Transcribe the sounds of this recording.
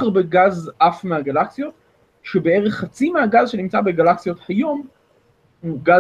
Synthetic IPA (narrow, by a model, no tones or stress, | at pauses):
aʁbeɡazʔafmeaɡalaksijo̞t̪ | ʃe̞be̞e̞ʁeχːat͡simeaɡazʃe̞nimt͡sabe̞ɡalaksijo̞t̪hajo̞m | uɡa